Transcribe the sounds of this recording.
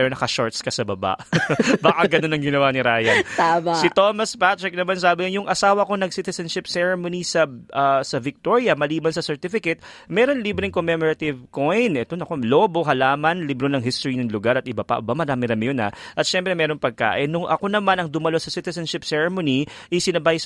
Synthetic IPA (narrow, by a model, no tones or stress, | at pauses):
ɛɾonɐkɐʃoɹt̪skɐsɐbɐba̰ʔbaːkɐɡɐno̞nːɐŋɡɪnɐwanɪɾaːjɐt̪aːmasɪt̪o̞ːmɐspat̪ɹɛk̚nɐmans̬aːbɪjʊŋʔɐsaːwɐko̞nɐɡsit̪ɛsɐnʃɪpsɛɹɛmonisɐʔɐsɐvɪk̚t̪oɹjɐmɐliːbɐnsɐsɛɹt̪ɪfɪkɛt̪̚mɛːɾo̞nliːbɾɪŋkomɛmoɾɐt̪ɪvko̞jnʔɛt̪onɐko̞lo̞ːbo̞ɦɐlaːmɐnlibɾonɐŋɦist̪oɹinɐŋlʊɡaɾɐt̪̚ɪbɐpɐ̰ʔbamɐɾaːmɪɾɐmɪjona̰ʔɐt̪ʃɛmpɾɛmɛːɾo̞ŋpɐɡ̚ka̰ːʔɪnːʊŋʔɐko̞nɐmanɐŋd̪ʊmɐlo̞sɐsɪt̪ɛsɐnʃɪpsɛɹɛmoniʔɐsɪnɐbaj